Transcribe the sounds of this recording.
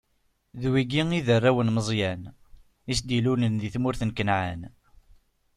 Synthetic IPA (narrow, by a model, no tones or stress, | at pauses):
ðwiɡiiðərːawənməzˤjæn | is̬d̪ilunənðiθmʊɾθənkənʕan